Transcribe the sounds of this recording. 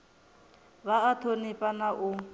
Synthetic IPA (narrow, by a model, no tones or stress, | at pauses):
βaːtʰonipʼanaʔʊ